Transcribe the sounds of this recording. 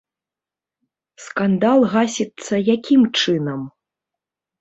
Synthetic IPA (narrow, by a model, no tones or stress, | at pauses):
skand̪alˠɣasʲit̪sːɐjakʲimt͡ʂɨnɐm